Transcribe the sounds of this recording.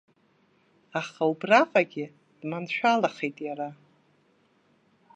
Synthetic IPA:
aχaubraqʼaɡʲɪ | d̥manʃʷᶣalaχejtʼjara

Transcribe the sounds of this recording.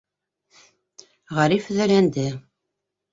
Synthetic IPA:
ʁæɾifɘ̆ðɘ̆lænd̪ɘ

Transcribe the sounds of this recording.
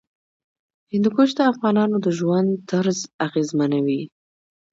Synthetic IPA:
hɪnd̪ukoʃd̪əafɣɑnɑnod̪əʒwand̪ːaɾzaɣezmanawi

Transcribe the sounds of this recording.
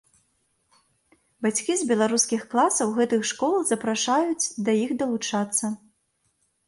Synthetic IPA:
bat͡sʲkʲizbʲɛlˠaɾuskʲixklˠasɐwɣɛt̪ɨxʂkɔlˠzɐpɾaʂajut͡sʲd̪ɐjixd̪ɐlˠut͡ʂat̪sːɐ

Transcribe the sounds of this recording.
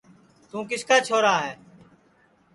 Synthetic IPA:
t̪ũːkɪskaːt͡ʃʰoːɾaːɦɛː

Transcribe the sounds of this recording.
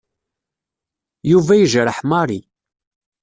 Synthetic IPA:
juvæjəʒɾəħmɑɾˤi

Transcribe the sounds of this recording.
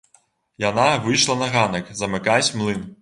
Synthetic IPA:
janavɨjʂlˠɐnɐɣanɐkzɐmɪkasʲmlˠɨn

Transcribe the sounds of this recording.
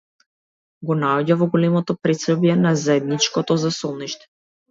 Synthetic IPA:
ɡɔnaɔɟavɔɡɔlɛmɔt̪ɔpɾɛt̪sɾɔbjɛnazaɛd̪nit͡ʃkɔt̪ɔzasɔlˠniʃt̪ɛ̥

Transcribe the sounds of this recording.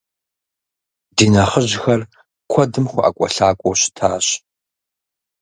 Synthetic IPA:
diːnɐχəʑxɐr | kʷʰɔdɨmχʷʊʔa̰kʷʼɔ̰ɬaːkʷʼɔɕɪ̥tʰaːɕ

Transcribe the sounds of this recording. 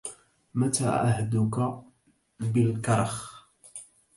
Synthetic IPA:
mæt̪a̰ʕa̰hd̪ʊka | bəlkɑɾˤɑx

